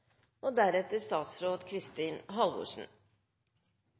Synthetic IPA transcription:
oːd̪æɾɛt̪əɾst̪ɑːt̪sɾoːd̪kʰɾɪst̪iːnɦɑlʋʊ̰ʂn̩

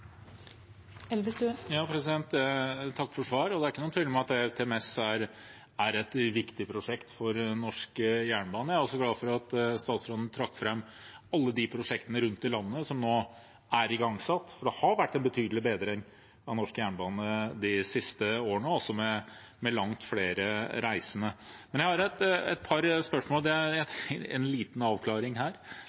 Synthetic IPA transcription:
ɛlʋəsd̪ʉjɑːpʰɾɛsɪd̪ɛnt̪t̪ʰɑkːfɔʂʋɑːɾɔd̪ɛæɾɪkːənuənʰʋɪləmɑt̪̚d̪ɛt̪ʰɛɛmɛsæɾ | æɾɛt̪ʋɪkt̪ɪpʰɾʊʂɛkt̪fɔɾnɔʂkjæːɳbɑːnəjæɾɔlsɔɡlɑːfɔɾɑt̪st̪ɑːt̪sɾod̪nət̪ʰɾɑkːfɾɛmː | ɑlːəd̪ɪpʰɾʊʂɛkt̪ənəɾʉnt̪̚d̪ɪlɑnːənəsɔmnoː | æɾɪɡɑŋsɑt̪ːfɔɖɛhɑɾʋæʈːɛnbət̪ʰyːd̪lɪbeːd̪ɾəɛŋ | ɑnɔʂkjæːɳbɑːnəd̪ɪsɪst̪əoːɳəɔsːɔmɛ | mɛlɑŋt̪fleːɾəɾæɪsənəmɛnjæɪhɑɾɛt̪ɛ̰t̪̚pʰɑɾspœʂmoːld̪ɛæjæɛ̰nliːt̪n̩ɑːʋkʰlɑːɾɪŋhæːɾ

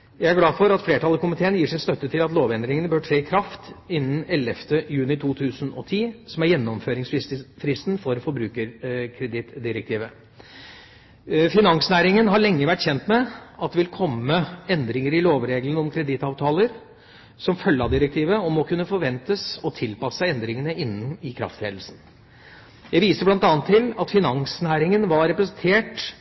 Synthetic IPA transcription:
jæɪæɡlɑːfɔɾɑt̪fleːʈʰɑləɾkʊmɪt̪ʰeːənjiːʂɪnst̪œt̪ːət̪ʰɪlɑt̪loːʋɛnd̪ɾɪŋənəbøːʈʰɾeːkʰɾɑft̪ɪnːən̩ɛlɛft̪əjʉːnɪt̪ʰuːt̪ʰʉːsənɔ̰t̪ʰiːsɔmæɾjɛnːɔmføːɾɪŋsfɾɪst̪nfɔɾfɔɾbɾʉːkəɾkʰɾɛd̪ɪt̪d̪ɪɾək̚t̪ʰiːʋə | fɪnɑŋsnæːɾɪŋənɦɑɭɛŋːəʋæʈːçɛnt̪mɛʔɑt̪̚d̪ɛʋɪlkʰɔmːəɛnd̪ɾɪŋəɾɪloːʋɾeːɡlənɔmkʰɾɛd̪ɪt̪ɑːʋt̪ʰɑːləɾ | sɔmfœlːɑd̪ɪɾək̚t̪ʰiːʋəɔmɔkʉnːəfɔɾʋɛnt̪əsɔt̪ʰɪlpɑsːəɛnd̪ɾɪŋənəɪnːnɪkʰɾɑ̰ft̪ʰḛːd̪l̩sn̩ | jæɪʋiːsəɾblɑnt̪ɑːnt̪ʰːɪlɑt̪fɪnɑŋsnæːɾɪŋənʋɑɾɛpɾəsənt̪ʰeːʈ

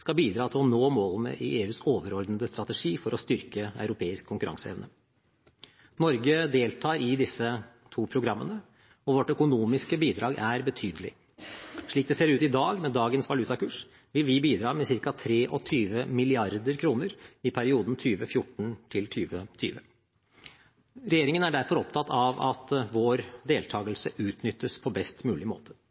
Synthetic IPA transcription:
skɑbiːd̪ɾɑːt̪ʰɪlɔnoːmoːlənə̰ʔɪʔeːʉːsoːʋəɾɔɾd̪nəd̪əst̪ɾɑt̪ɛʂiːfɔɾɔst̪ʏɾkəœ̰ʉɾʊpʰeːɪskʰːʊŋkʉɾʔɑ̰ŋsəɛ̰ʋnə | nɔɾɡəd̪eːlt̪ʰɑːɾɪd̪ɪsːə | t̪ʰuːpʰɾʊɡɾɑmːənə | ɔʋɔʈːœkʊnuːmɪskəbiːd̪ɾɑːɡæɾbət̪ʰyːd̪əlɪ̰ | ʂɭiːk̚d̪ɛseːɾʉːt̪ɪd̪ɑːɡmɛd̪ɑːɡənsʋɑlʉt̪ɑkʉːʂ | ʋɪlʋɪbiːd̪ɾɑːmɛsɪɾkɑt̪ʰɾeːʔɔt̪ʰyːʋəmɪlɪɑɾd̪əɾkʰɾuːnəɾɪpʰæɾɪuːd̪nt̪ʰyːʋəfjʊʈɳ̩t̪ʰɪlt̪ʰyːʋət̪ʰy̰ːʋə | ɾɛjeːɾɪŋənæɖæɾfɔɾɔpt̪ʰɑt̪ːʰɑʋɑt̪ʋoːɾd̪eːlt̪ʰɑːɡəlsəʔʉːt̪nʏt̪ʰːəspʰɔbɛst̪mʉːlɪmo̰ːt̪ʰə̥

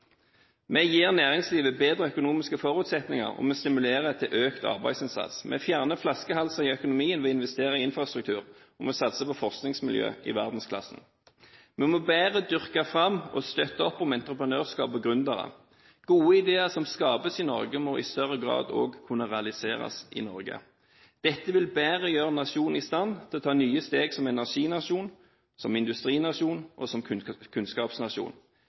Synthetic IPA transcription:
mɛjiːʁnæːʁɪŋsliːʋəbeːd̪ʁəœkʊnuːmɪskəfɔʁʉːt̪sɛt̪nɪŋɑ̰ʁɔ̰mɔst̪ɪmʉleːʁɛt̪ʰːɪlʔøːkt̪ʰɑ̰ʁbæ̰ɪsɪnsɑ̰t̪smɛ̰fjæʁnəflɑskəhɑlsɑʁɪœkʊnʊmiːənʋɛɪnʋɛst̪eːʁɑɪɪnfʁɑst̪ʁʉk̚t̪ʰʉːʁ | ɔmɔsɑt̪səpɔfɔʁsknɪŋsmɪljø̰ːɪ̰ʋæ̰ʁd̪n̩skʰlɑ̰sn̩ | mɛmoːbæːʁəd̪ʏʁkɑfʁɑmːɔst̪œt̪ːəɔpːɔmɛnt̪ʁəpʁənøːʁskɑ̰ːbəɡʁʉnd̪əʁə̰ | ɡ̥uːəɪd̪eːəʁsɔmskɑːbəsɪnɔɾɡəmɔʔɪ̰st̪œʁːəɡʁɑ̰ːd̪o̰ːɡkʰʉnːəʁɛɑlɪseːʁɑ̰sɪ̰nɔɾɡə̰ | d̪̥ɛt̪ːəʋɪlbæːʁəjøːʁənɑʂuːnnɪst̪ɑnːt̪ʰɪlɔt̪ʰɑːnyːəst̪eːɡsɔmɛnæʁʂiːnɑʂuːn | sɔmɪnd̪ʉst̪ʁiːnɑʂuːnʔɔsɔmʰkʰʉnskɑːpsnɑʂṵːn

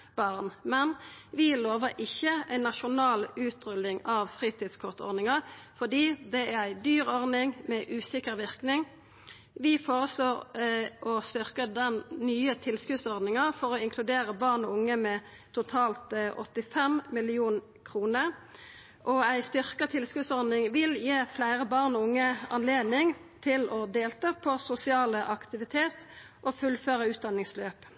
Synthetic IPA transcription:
b̥ɑʁnmɛnʋɪloːʋəʔɪçəæɪnːɑʃʊnɑːlʉːt̪ʁʏlːɪŋɑʋfʁiːt̪ʰiːd̪skʰɔʁt̪ɔ̰ʁnɪŋɑfɔd̪iːd̪ɛæʁæɪd̪yːʁɔʁnɪŋmɛʔʉːsɪkəʁʋɪʁknɪŋ | ʋɪfoːʁəsloːʁʔɔst̪ʏʁkəd̪ɛnnyːət̪ʰɪlskʉːd̪sɔʁd̪nɪŋɑfɔʁɔɪŋkʰlʉd̪eːʁəbɑːʁnɔʊŋːəmɛ | t̪ʰʊt̪ʰɑːlt̪ʔɔ̰t̪ːɪfɛmmɪlɪuːn | kʰʁuːnəʁ | ʔɔæɪst̪ʏʁkət̪ʰɪlskʉːsɔʁd̪nɪŋʋɪljeːflæɪʁəbɑʁnɔʊŋːəɑ̰nleːd̪nɪŋt̪ʰɪlɔd̪eːlt̪ʰɑːpʰɔsʊsɪɑːləʔɑkt̪ɪʋɪt̪ʰeːt̪ | ʔɔfʉlføːʁəʉːt̪̚d̪ɑnːɪŋsløːp

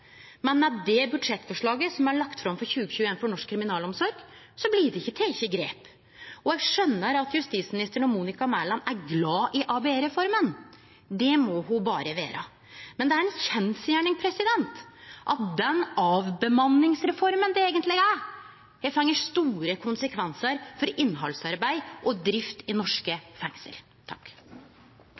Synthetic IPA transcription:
mɛnmɛd̪ɛbʉd̪ʂɛt̪ːfɔʂɭɑːɡəsɔmæɭɑkt̪fɾɑmfɔɾçʉːɡəçʉːeːnfɔɳɔʂkʰːɾɪmɪnɑːlɔmsɔɾɡ̥ | sɔbliːɖɛɪçːət̪ʰɪɪçːəɡɾḛːp | ɔjæɡʂœnːəɾɑt̪jʉst̪iːt̪smɪnɪst̪əɳɔmuːnɪkɑmælɑnæɾɡlɑːʔɪʔɑːbeɾɛfɔɾmən | d̪ɛmɔhʊbɑ̰ːɾəʋḛːɾɑ̰ | mɛnd̪ɛæɾɛnçɛnsjæːɳɪŋpʰɾɛsɪd̪ɛnt̪ʔɑt̪̚d̪ɛnɑːʋbəmɑnːɪŋsɾɛfɔɾmənd̪ɛeːɡənt̪lɪɡæ | hɛfɛŋːəʂt̪uːɾəkʰʊnsəkʰʋɛnsəɾfɔɾɪnːɦɑ̰lsɑɾbæɪʔɔd̪ɾɪft̪ɪnɔʂkəfɛŋsə̰l | t̪ʰɑkː

